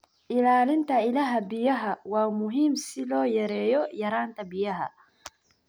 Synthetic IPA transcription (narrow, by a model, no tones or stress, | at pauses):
ʔɪlaːlɪnt̪ʰɐɪlaːɦɐbɪjɐɦɐwɑːmʊɦiːmsɪlɔːjɐɾɛːjɔjɐɾaːnt̪ʰɐbɪjɐɦɐ̰